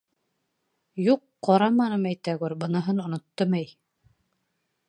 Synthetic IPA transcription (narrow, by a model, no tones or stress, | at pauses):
juqːɑɾɑmɑnɤmæjt̪æɡuɾbɤ̆nɤɦɤnŏnŏt̪ːɤmæj